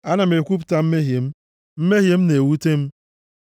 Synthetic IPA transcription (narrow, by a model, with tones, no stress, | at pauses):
a˦na˨m̩e˨kʷu˦p̬ta˦m̩˦me˦ɦje˨m̩˦ | m̩˦me˦ɦje˨m̩˦ne˨wu˦te˦m̩˦